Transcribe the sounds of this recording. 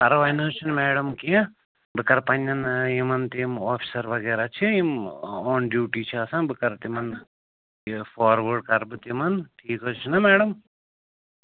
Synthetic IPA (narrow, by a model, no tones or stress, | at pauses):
kɐɾʋajnoːt͡ʃʰinmeːɽɐmkiẽ | bɨkɐɾpɐɲːɐnjimɐnt̪imoːfʰi̥sɐɾʋɐɡeːɾaːt͡ʃʰiimoːnɖjuːʈiːt͡ʃʰiɐːsãːbɨkɐɾt̪imɐn | foːɾʋɐɖkɐɾbɨt̪imɐnʈʰiːkɦoːt͡ʃʰinɐmeːɽɐm